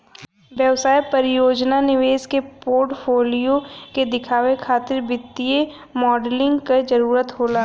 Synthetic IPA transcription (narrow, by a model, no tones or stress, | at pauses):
ʋjəʋsaːjpəɾɪjoːd͡ʒnanɪʋeːskepoːɾʈpʰoːlijoked̪ɪkʰaːwekʰaːt̪ɪɾbɪt̪ːije | mɔːɖlɪ̃ŋɡked͡ʒəɾuːɾət̪ɦoːlaː